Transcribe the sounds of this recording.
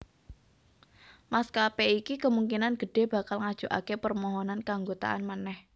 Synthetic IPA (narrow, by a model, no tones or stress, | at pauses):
maskapeikikəmuŋkinanɡ̥ə̤ɖ̥e̤b̥a̤kalŋad̥ʒ̥uʔa̰kepərmɔɦɔnankaŋɡot̪a̰ʔa̰nmanɛh